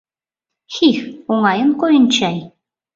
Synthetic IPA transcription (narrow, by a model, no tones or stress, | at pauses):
xixoŋɑjɤnkojɤ̆nt͡ɕɑj